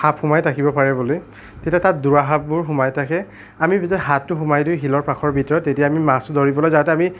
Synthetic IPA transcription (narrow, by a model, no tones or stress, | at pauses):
hapxʊmajtʰakibɔpaɹɛbuloj | tetiatat̚duɹaɦap̚bʊɹɦʊmajtʰakɛ | amibizɛɦatːʊxʊmajdujɦilɔɹpaxʰɔɹbʱitɔɹɔtetijaːmimastʊdoɹibɔlojzatɛami